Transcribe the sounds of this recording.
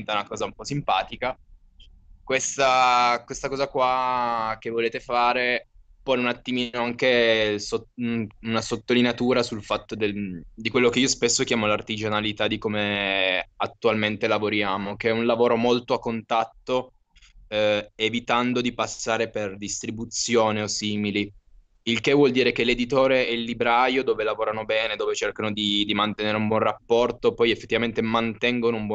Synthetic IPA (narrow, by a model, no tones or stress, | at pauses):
nt̪aunakɔːzaumpɔsimpaːt̪ika | kwest̪akwest̪akɔːzakwak̟evːoleːt̪efaːɾe | pɔnunat̪ːimiːnoaŋkesounasot̪ːolineat̪uːɾasulfat̪ːod̪ed̪ikwelːokeiːospesːok̟jaːmolart̪id͡ʒanalit̪ad̪ikome | at̪ːualment̪elavoɾjaːmokeɛunlavoːɾomolt̪oakːont̪at̪ːo | evit̪and̪od̪ipasːaːɾeperd̪ist̪ɾibut̪sjoːneosiːmili | ilk̟evwɔld̪iːɾek̟eled̪it̪oːɾeɛilːibɾaːjod̪oːvelavoːɾanobɛːned̪oːvet͡ʃerkanod̪id̪imant̪eneːɾeumbwɔnrapːɔrt̪opɔjefːet̪ːivament̪emant̪ɛŋɡonoumbwɔ